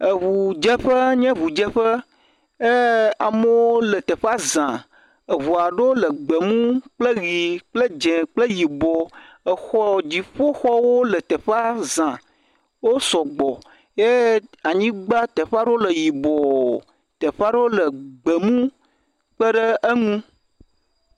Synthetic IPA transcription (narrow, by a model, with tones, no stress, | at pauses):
ə˨βu˨d͡ʒə˦ɸə˦ɲɛ̃˦βu˨d͡ʒe˦ɸə˦ | e˦a˨mə˦wo˦lə˨t̪ə˨ɸa˦zã˨ | ə˨βu˨a˨ɖo˦lə˨ɡ͡bə˨mũ˦k͡plə˦ɣi˨k͡plə˦d͡ʒẽ˨k͡plə˦ji˨bɔ˨ | ə˨xɔ˨d͡ʑi˨ɸo˦xɔ˦wo˦lə˨t̪ə˨ɸa˦zã˨ | wo˦sɔ˨ɡ͡bɔ˨ | je˦a˨ɲĩ˦ɡ͡ba˦t̪ə˨ɸa˦ɖo˦lə˨ji˨bɔ˨ | t̪ə˨ɸa˦ɖo˦lə˨ɡ͡bə˨mũ˦ | k͡pə˦ɖə˦ə˦ŋũ˦